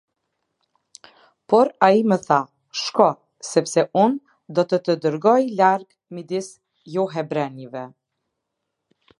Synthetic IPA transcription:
pɔɾaiməθa | ʃkɔ | sɛpsɛun | d̪ɔt̪ət̪əd̪əɾɡɔjlaɾɡ | mid̪is | jɔɦɛbɾɛnivɛ

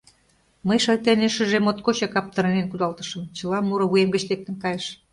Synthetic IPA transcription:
məjʃɑjt̪eneʃyʒemot̪kot͡ɕɑkɑp̚t̪ɤ̆ɾenenkud̪ɑlt̪ə̥̆ʃə̆mt͡ɕə̆lɑmuɾŏβujemɡə̆t͡ɕlek̚t̪ə̆nkɑjeʃ

